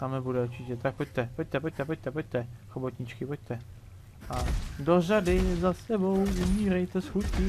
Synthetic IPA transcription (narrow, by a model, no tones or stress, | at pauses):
t̪amɛbudɛuɾt͡ʃɪcɛt̪ak̚poc̚ʲt̪ɛpoc̚ʲt̪ɛpoc̚t̪ɛpoc̚ʲt̪ɛpoc̚t̪ɛxobot̪ɲɪt͡ʃkɪpoc̚t̪ɛ | ʔadoradɪzasɛbo̞wumiːɾɛjt̪ɛsxut̪kɪ